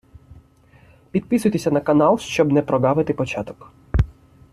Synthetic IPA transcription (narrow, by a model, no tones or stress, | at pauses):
pʲid̪̚pɪsʊjt̪esʲɐnɐkɐnalˠʃt͡ʃɔbnɛpɾɔɡaʋɪt̪ɪpɔt͡ʃat̪ɔ̥k